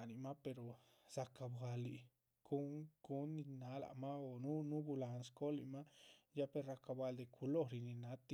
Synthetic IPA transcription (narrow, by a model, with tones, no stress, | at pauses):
ni˨ma˦pe˧ɾo˨ | sa˧ka˧bɡa˧li˨ | ɡ̥u˦ŋɡu˦nːi˧na˨˦la̰˨ma˦o˨nu˦nu˦ɡu˧la˨nsko˦lḭ˨ma˦ja˦pe˧ɾa˧ka˧ba˧ld̪e˨kʰu˧lo˦ɾi˨˧ni˧na˦t̪i˦